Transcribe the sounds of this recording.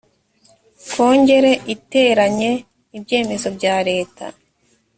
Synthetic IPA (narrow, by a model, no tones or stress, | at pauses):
kʰoːɲɟe̞ɾe̞ʔite̞ɾaɲe̞ | ibɟe̞ːme̞zo̞bɟaːɾe̞ːtʰa̰